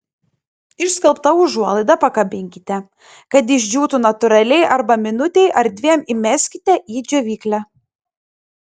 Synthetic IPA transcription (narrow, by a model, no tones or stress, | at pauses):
ɪʃskɐlˠpt̪ɐʊʒuɔlˠɐɪd̪ɐpɐkɐbʲɪŋʲkʲɪt̪ʲɛ | kɐt̪̬ɪʒʲd͡ʒʲuːt̪unɐt̪ʊɾɐlʲɛɪʔɐɾbɐmʲɪnʊt̪ʲɛɪʔɐɾd̪ʲʋʲiɛmɪmʲɛsʲkʲɪt̪ʲɛʔiːd͡ʒʲoʋʲiːklʲæ